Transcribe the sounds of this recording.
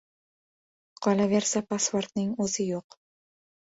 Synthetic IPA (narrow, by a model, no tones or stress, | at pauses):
qʰɒlˠaveɾsapʰaspoɾt̪nɪŋɵzɪjoq